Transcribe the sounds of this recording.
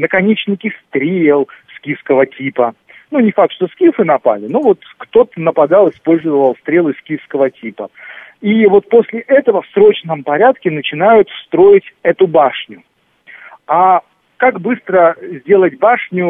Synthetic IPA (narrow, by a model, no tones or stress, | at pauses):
nəkɐnʲet͡ɕnʲɪkʲɪst̪ɾʲelˠskʲifskəvətʲipə | nunʲɪfak̚t̪ʂt̪o̞skʲifɨnɐpa̰lʲɪnovo̞t̪kt̪o̞t̪ənəpɐd̪ɑlˠɨspo̞lʲzəvvəlˠst̪ɾʲe̞lˠɨskʲifskəvətʲipəivo̞t̪̚po̞sʲlʲɪʔɛt̪əvəfsɾo̞t͡ɕnəmpɐɾʲat̪kʲɪnət͡ɕɪnajʊt̪st̪ɾo̞jɪtʲɛt̪ʊbaʂnʲʊ | a | kakbɨst̪ɾəzʲdʲe̞lˠət̚ʲbaʂnʲʊ